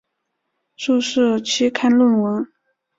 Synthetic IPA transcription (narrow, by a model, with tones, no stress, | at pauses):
ʂu˥˧ʂɻ̩˥˩t͡ɕʰi˧˥kʰa˥nlwə˥˩nwə˧˥n